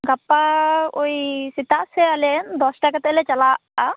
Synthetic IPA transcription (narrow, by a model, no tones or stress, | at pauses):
ɡapːaojsit̪aʔsɛalend̪ɔsʈakat̪ːlet͡ʃalaa